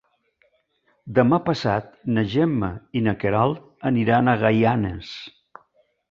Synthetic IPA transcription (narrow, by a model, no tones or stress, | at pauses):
d̪əmapəsat̪̚nəʒɛmːəinəkeɾalˠ | əniɾanəɣajanəs